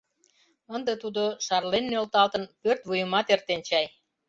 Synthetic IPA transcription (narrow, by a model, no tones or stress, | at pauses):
ənd̪ət̪ud̪oʃɑrlenːølt̪ɑlt̪ənpørt̪βujəmɑt̪ert̪ent͡ɕɑj